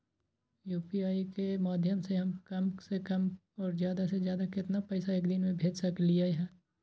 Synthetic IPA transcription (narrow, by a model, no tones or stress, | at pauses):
juːpiaːikemaːd̪ʱjəmseɦɐmkɐmsekɐm | ɔːɾzjaːd̪asezjaːd̪akɪt̪napɛɪsaeːkd̪ɪnmẽbʱeːd͡ʒsɐkliaɦɛː